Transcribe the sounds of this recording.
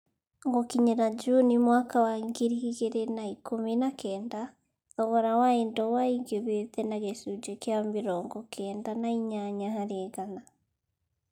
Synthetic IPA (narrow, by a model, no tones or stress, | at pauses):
ŋɡokiɲeɾad͡ʒunimwakawaiŋɡiɾihiɣeɾenaikominakʰɛːnda | ðɔβɔɾawaendɔwaiŋɡeβetɛnaɣesud͡ʒekjambiɾɔŋɡɔkʰɛːndanaiɲaɲahaɾeɡana